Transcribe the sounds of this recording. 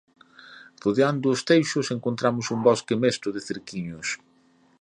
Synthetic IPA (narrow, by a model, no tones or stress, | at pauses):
roðeand̪ʊːst̪ejʃʊseŋkont̪ɾamʊsumbɔskemest̪ʊðɪθeɾkiɲʊs